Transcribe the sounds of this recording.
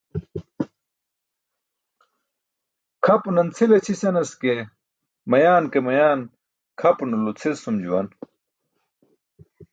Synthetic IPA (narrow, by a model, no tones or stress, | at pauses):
kʰɐpnɐnt͡sʰelet͡ɕʰisɐnɐske | mɐjaːnkemɐjaːn | kʰɐpnulut͡sʰesumd͡ʑṵwɐ̰n